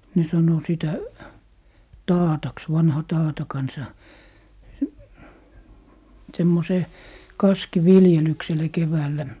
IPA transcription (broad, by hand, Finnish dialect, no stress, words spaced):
ne sɑno sitæ tɑːtɑks ʋɑnhɑ tɑːtɑ kɑnsɑ semːoseː kɑskiʋiljelyksele keʋæːlːæ